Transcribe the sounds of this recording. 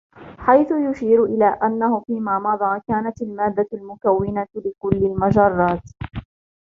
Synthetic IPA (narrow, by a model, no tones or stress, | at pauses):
ħajθʊjʊʃiːɾʔɪlaːʔanːahʊfiːmaːmɑd̪ˤɑːkaːnat̪almaːd̪ːalmʊkawːɪnalɪkʊlːɪlmad͡ʒɑrˤːɑːt̪